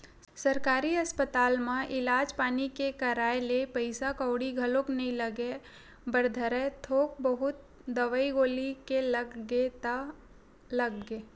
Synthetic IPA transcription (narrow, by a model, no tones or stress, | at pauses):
sɐɾkaːɾiɐspət̪aːlmãʔɪlaːd͡ʒpaːnikekɐɾaːelepəɪsakəʊɽiɡʱɐloknɐɦĩləɡe | bəɾd̪ʱəɾɛt̪ʰoːk̚bəɦʊt̪̚ | d̪əʋəiɡoːlikeləɡɡet̪a | lɐɡɡeː